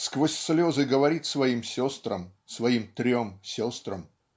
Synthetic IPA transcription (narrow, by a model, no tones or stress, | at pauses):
skvosʲslʲozɨɡəvɐɾʲit̪ʲsvɐimsʲost̪rə̰msvɐimt̪ɾʲomsʲost̪ɾəm